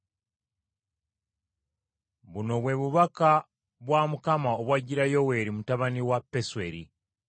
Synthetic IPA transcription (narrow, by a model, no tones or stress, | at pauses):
βuno̞βwe̞βuβaka | βwaːmukamaoβwaɟiɾajo̞we̞ɾimutaβaniwapːeswe̞ɾi